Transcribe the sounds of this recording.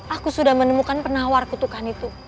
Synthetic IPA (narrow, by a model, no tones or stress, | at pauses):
ʔakusudahmənəmukanpənawarkut̪ukanit̪u